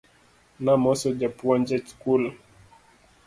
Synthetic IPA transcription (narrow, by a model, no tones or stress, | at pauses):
namɔsɔd͡ʒapuand͡ʒɛt͡ʃkul